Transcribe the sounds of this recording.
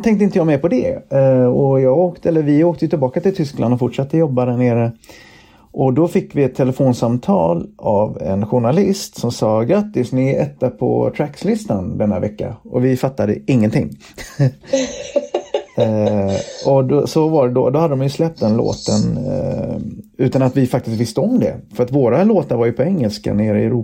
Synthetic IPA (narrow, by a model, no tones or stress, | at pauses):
t̪ʰɛŋkt̪əɪnt̪əjɑːmɛɾpʰɔd̪ɛ̰ | ɔjɑːɡoːkt̪ɛlːəɾvɪoːk̚t̪əjʉt̪ʰɪlbɑːkat̪ɪlt̪ʰʏskla̰nd̪ɔfʊʈʂat̪ːəjɔbːad̪æɳeːɾə | ʔɔd̪ɔfɪkːvɪɛt̪ʰːɛləfoːnsamt̪ʰɑ̰ːlʔavɛ̰nɧʊɳalɪst̪sɔmsɑːɡɾat̪ːɪsnɪɛt̪ːapʰɔ̰t̪ʰɾækslɪst̪and̪ɛnːa̰vɛkːa̰ɔvɪfat̪ːad̪ə̰ɪŋːənt̪ʰɪ̰ŋː | ɔd̪ɔsɔvaɖɛd̪ɔd̪ɔhad̪əd̪ɔmjɵslɛp̚t̪ɛnlo̰ːt̪ən | ʉ̟ːt̪anat̪vɪfak̚t̪ɪst̪vɪst̪əɔmd̪ɛ̰fœɾat̪voːɾaloːt̪aɾvaɾjɵpʰɔɛŋːəlska̰neːɾəɪɛɾuː